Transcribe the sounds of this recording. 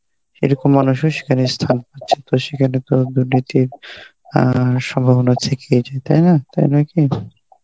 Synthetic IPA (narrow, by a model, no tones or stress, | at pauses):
ḛɾɔkomːanuʃoʃe̥kʰanest̪ʰanpatːɕʰet̪oʃekʰanet̪od̪uɾnit̪iɾ | ʃɔmbʱabonat̪ʰekeed͡ʑaet̪ajnat̪a̰jnaki